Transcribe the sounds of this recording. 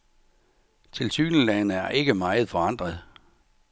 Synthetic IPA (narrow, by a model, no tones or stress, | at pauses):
t͡sʰe̝lsyːnəlænəæɐʔe̝ɡ̥əmɑ̈ɪð̞̩ˠfɒ̽ɑ̈n̰d̥ʁɐðˠ